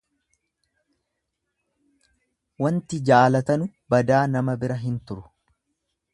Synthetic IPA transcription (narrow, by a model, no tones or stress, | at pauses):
wɐnt̪ɪd͡ʒaːlɐt̪ɐnʊ | bɐd̪aːnɐmɐbɪɾɐɦɪnt̪ʊɾʊ̥